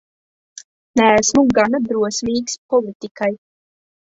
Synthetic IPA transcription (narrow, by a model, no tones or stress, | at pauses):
nææsmuɡand̪ɾuɔsmiːkspɔlˠit̪ikaj